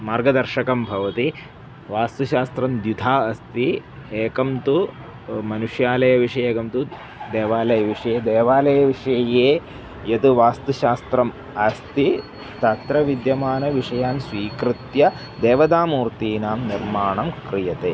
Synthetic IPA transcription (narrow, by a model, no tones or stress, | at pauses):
maːɾɡɐd̪ɐɾʃɐkɐmbʱɐʋɐt̪i | ʋaːst̪uʃaːst̪ɾɐmd̪jud̪ʱaːɐst̪ieːkɐmt̪u | mɐnuʂjaːlɐjɐʋiʂɐjeːkɐmt̪u | d̪eːʋaːlɐjɐʋiʂɐjeːd̪eːʋaːlɐjɐʋiʂɐjjeː | jɐt̪uʋaːst̪uʃaːst̪ɾɐm | ɐst̪i | t̪ɐt̪ɾɐʋid̪jɐmaːnɐʋiʂɐjaːnsʋiːkɾit̪jɐ | d̪eːʋɐd̪aːmuːɾt̪iːnaːmniɾmaːɳɐmkɾijɐt̪eː